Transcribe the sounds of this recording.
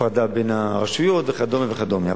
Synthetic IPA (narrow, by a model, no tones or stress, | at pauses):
ʁad̪abenhaʁaʃujot̪veχad̪omiveχad̪omjia